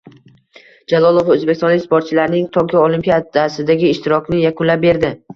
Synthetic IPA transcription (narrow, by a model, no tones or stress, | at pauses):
d͡ʒalˠɒlˠovaɵzbekʲsɒnlɪkʲspoɾt̪̚t͡ʃʰɪlaɾnɪŋt̪ʰɒkʲʰiolimpijad̪asɪd̪aɡʲɪːʃt̪ɪɾɒkʲnɪjakʰʊnlap̚be̞ɾd̪ɪ